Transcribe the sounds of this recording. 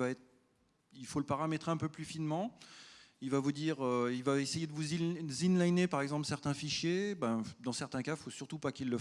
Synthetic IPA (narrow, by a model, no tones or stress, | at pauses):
vaɛt̪χ | ilfoləpaʁamɛt̪χeɛ̃pøplyfinmɑ̃ | ilvavud̪iːʁøilvaesejed̪əvuzizinlajnepaʁɛɡzɑ̃plsɛʁt̪ɛ̃fiʃjebɛ̃d̪ɑ̃sɛʁt̪ɛ̃kafosyʁt̪upakilːə